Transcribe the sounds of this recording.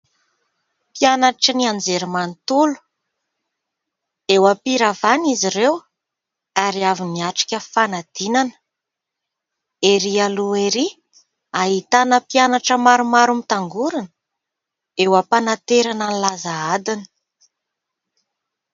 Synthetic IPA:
pianaʈ͡ʂəniand͡zeɾimanit̪ulu̥ | ewapiɾavaniziɾew | aɾiaviniaʈ͡ʂi̥kʲəfanad̪̥inan | eɾialueɾi | aɦit̪anəpianaʈ͡ʂəmaɾumaɾumit̪aŋɡuɾinə | ewəpanat̪eɾananilazaad̪inə̥

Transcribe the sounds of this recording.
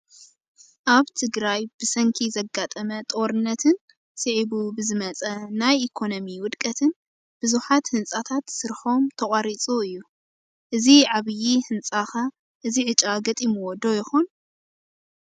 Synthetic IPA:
ʔaβt̪ʰɨɡɾajbɨsɐŋkʰizɐɡːat̪ʼɐmɐt̪ʼo̞ɾɨnːɐt̪ʰɨn | sɨʕiβubɨzɨmɐt͡sʼɐnajʔikʰo̞nomiwʊd̪kʼɐt̪ʰɨn | b̥ɨzuħat̪hɨnt͡sʼat̪ʰat̪sɨɾħo̞mt̪ʰɐχʼaɾit͡sʼuɨjːu | ʔɨziʕaβɨjihɨnt͡sʼaxɐ | ʔɨziʕɨt͡ʃʼaɡɐt̪ʼimuwod̪o̞jɪxon

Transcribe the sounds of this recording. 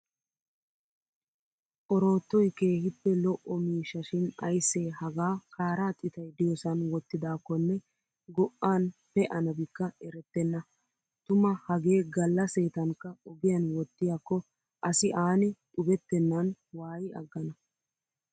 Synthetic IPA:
ʔɔɾo̞ːt̪ːɔjke̞ːhɪpːɛlɔʔɔmiːʃːɐʃɪnɐjsːe̞ːhɐɡaːkʰaːɾaːt̪ʼɪt̪ɐjd̪ɪjɔsɐnwɔt̪ːɪd̪aːkːɔnːɛ | ɡɔʔːaːnpɛʔɐnɐbɪkːɐɛɾɛt̪ːɛnːɐ | t̪ʊmɐhɐɡe̞ːɡɐlːɐseːt̪ɐŋkːɐɔɡɪjɐnwɔt̪ːɪjakːɔ | ʔɐsɪʔaːnɪt̪ʼʊbɛt̪ːɛnːɐnwaːjɪʔɐ̰ɡːɐnɐ

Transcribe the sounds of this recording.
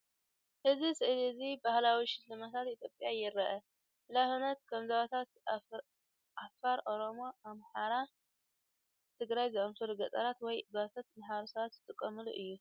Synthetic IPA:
ʔɨzisɨʔɨlizibahlawiʃɪlːɨmat̪ʰat̪it̪ʰjopʼjajɪɾɐʔɐ | ʔɨlafɨnɐt̪̚kʰɐmzɐβat̪ʰat̪ | ʔafaɾʔo̞ɾo̞mo̞amħaɾa | t̪ʰɨɡɾajzɨʔɐmfɨɾɡɐt̪ʼɐɾat̪wɔjbat̪ʰat̪mħaɾosɐβat̪zɨt̪ʼɨkʼːɐmɨlṵʔɨjːu

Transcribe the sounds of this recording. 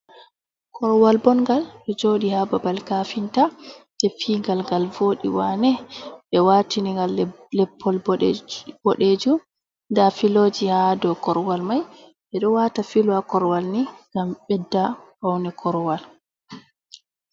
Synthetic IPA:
kʰɔɾwalbɔnɡalɓɛd͡ʒoːɗihababalkafintatɛfiŋɡalɡalvoːɗḭwanɛɓɛwatiniŋɡal | lɛpʰːɔlb | b̥ɔɗed͡ʒu | ndafilod͡ʒihadɔkɔɾwalmaj | ɓɛɗɔwatafilwakɔɾwalniɡamɓɛdːahawnɛkʰɔɾwal

